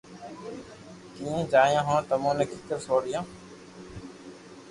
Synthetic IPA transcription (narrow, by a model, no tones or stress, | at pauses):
kiːẽːd͡ʒaːjãːɦõːt̪əmõːneːkʰikəɾsoːɽɪjãː